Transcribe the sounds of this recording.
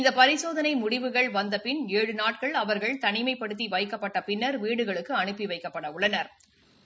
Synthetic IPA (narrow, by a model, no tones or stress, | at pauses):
ɪnd̪ɐpɐɾɪsoːðɐnɐɪmʊɽɪʋɯɣɐɭʋɐnd̪ɐpɪneːɻɯnaːʈ̚kɐɭɐʋɐɾɣɐɭt̪ɐnɪmɐɪpːɐɽɯt̪̬ːiʋɐjkːɐpːɐʈːɐpɪnːɐɾʋiːɽɯɣɐɭɯkːɯɐɳɯpːiʋɐɪkːɐpːɐɽɐʊɭːɐnɐɾ